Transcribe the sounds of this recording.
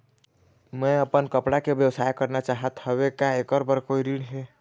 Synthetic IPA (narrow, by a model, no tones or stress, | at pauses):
mɛ̃əpənkəpɽakebjəʋsaːjkəɾnat͡ʃaɦət̪həbekaekəɾbəɾkoiɾiɽɦe